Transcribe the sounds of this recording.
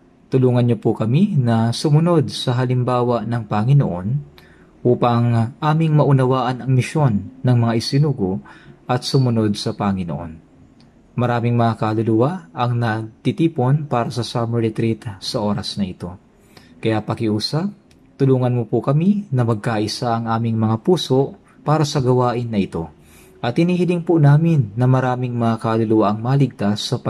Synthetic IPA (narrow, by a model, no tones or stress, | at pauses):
t̪ʊluːŋɐnɲopʊkɐminɐsʊmʊno̞d̪̚sɐɦɐlɪmbaːwɐnɐŋpɐŋɪno̰ʔo̞n | ʔuːpɐŋʔaːmɪŋmɐʔʊnɐwaːʔɐnɐŋmɪʃo̞nːɐŋmɐŋaʔɪsɪnuːɡoʔɐt̪̚sʊmʊno̞d̪̚sɐpɐŋɪno̰ʔo̞̰n | mɐɾaːmɪŋmɐŋakɐlʊlʊwaʔɐŋnɐt̪it̪iːpo̞npaːɾɐsɐsamɛɹɪt̪ɾit̪sɐʔo̞ːɾɐsnɐʔɪt̪o̞ | kɐjapɐkɪʔuːsap̚ | t̪ʊluːŋɐnmʊpʊkɐminɐmɐɡ̚kaːʔɪsaʔɐŋʔaːmɪŋmɐŋapuːso̞ʔ | paːɾɐsɐɡɐwaːʔɪnːɐʔɪt̪o̞ | ʔɐt̪hɪniːhɪlɪŋpʊnaːmɪnːɐmɐɾaːmɪŋmɐŋakalʊlʊwaʔɐŋmaːlɪɡ̚t̪asːɐp